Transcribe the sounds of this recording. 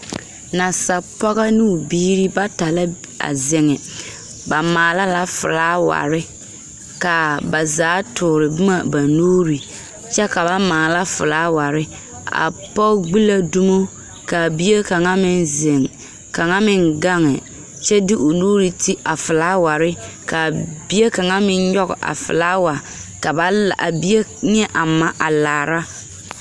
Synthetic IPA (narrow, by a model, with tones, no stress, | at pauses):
na˨sa˨pɔ˦ɣa˦nɪ˦˨biː˦ɾi˦ba˦ta˨la˦ | a̰˨zɪ˨ŋɛ˨ | ba˨maː˨la˦la˦fʊ̰˨laː˦wa̰˨ɾɪ˦ | ka˨ba˨zaː˨˦tʊː˨ɾɪ˨bʊ˦ma˨ba˨noː˦ɾi˨ | t͡ʃɛ˦ka˨ba˦maː˨la˦fʊ̰˨laː˦wa˨ɾɪ˦ | a̰˨pɔ˦ɡ͡bi˦la˦du˦mo˦ | ka˨bi˦e˦ka˨ŋa˦mɪ˦nzɪ˨ŋ | ka˨ŋa˦mɪ˦nɡa˦ŋɛ˨ | t͡ʃɛ˦dɪ˦ʔo˨noː˦ɾi˨ti˦ʔa˨fɪ˨laː˦wa˨ɾɪ˦ | ka˨b̥i˦e˦ka˨ŋa˦mɪ˦nɲɔ˦ɣʊ̰˨ʔa̰˨fɪ̰˨laː˦wa˨ | ka˨ba˨a˨bi˦e˦ɲ˦ɛ˦ʔa˨ma˨ʔa˨laː˨ɾa˦